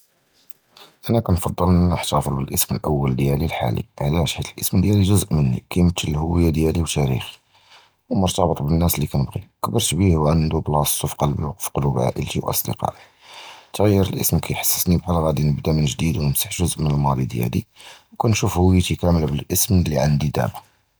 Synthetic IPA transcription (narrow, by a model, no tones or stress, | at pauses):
ʔænækænfɑd̪ˤːələnænəħt̪ɑfəɾbəlʔəsməlʔəwːəld̪jælilħa̰lḭʕlæʃħit̪əlʔəsmd̪jæliʒʊzəʔmənːḭkæjmət̪ːəlhʊwəjːad̪jæliwt̪æɾḭxi̥ | wmʊɾt̪ɑbət̪ˤbənːæslikænəbɣiəkbəɾˤtbihwʕannd̪ublɑst̪ˤufi̥qɑlbiwɑqfqolubʕa̰ʔəlt̪iwʔɑ̰sˤd̪ə̰qɑ̰ʔi | t̪ɣæjːəɾəlʔə̰smkʰæjħḁsːə̥snibħælɣæd̪inəbd̪amənʒd̪id̪wnəmsaħʒʊzʔmənəlmɑd̪ˤid̪jæ̰lḭwkænʃufhʊwjat̪ikæməlbəlʔəsmlːiʕand̪id̪æ̰ma